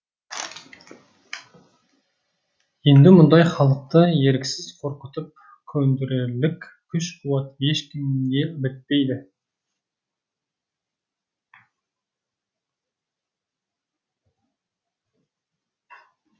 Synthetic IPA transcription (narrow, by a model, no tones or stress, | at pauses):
je̞nd̪ɪmʊnd̪ɑjχɑlˠəq̚t̪əje̞ɾkʲɪ̥sɪz̥qʰo̞ɾqət̪əp̚ | kʲʰɵnd̪ɪɾelɪkʲ | kʲʰʏʃqʰuwɑt̪je̞ʃkʲɪmɡ̪ʲe̞bɪt̪̚pe̞jd̪ɪ